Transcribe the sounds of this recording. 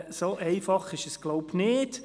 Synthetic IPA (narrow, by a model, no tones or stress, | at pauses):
soʔɛɪfɑχɪʃəsɡ̥loʊbnɪt